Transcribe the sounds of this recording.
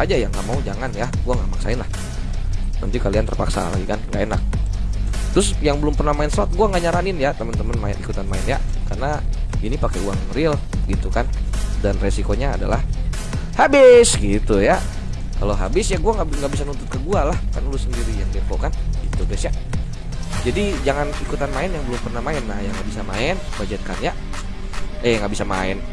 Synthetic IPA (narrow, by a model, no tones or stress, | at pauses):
ad͡ʒajaŋɡaʔmaud͡ʒaŋanjaɡuaŋɡaʔmaksa̰ɪnlah | nə̰nt̪ikaliant̪ərpa̰ksa̰la̰ɡikanŋɡaʔena̰k̚ | t̪ɾʊsjaŋbəlʊmpərnahmaɪnsɔt̪̚ɡuaŋɡaʔɲaɾanɪnjat̪əmənt̪əmənmaɪ̰nikut̪anmaɪnjakarnainipakɛuaŋrɪlɡit̪ukandanresikoɲaːda̰lah | habɪsɡit̪uja | kaloɦabɪsjaɡuaŋɡaŋɡaʔbisanunt̪ʊt̪̚kəɡualahka̰rnalusəndiɾijaŋdefo̰kanɡit̪uɡɛsja | d͡ʒadid͡ʒaŋanikut̪anmaɪnjaŋbəlʊmpərnahmaɪnːahjaŋɡaʔbisamaɪn | bad͡ʒət̪̚kanja | əjaŋɡaʔbisama̰ɪn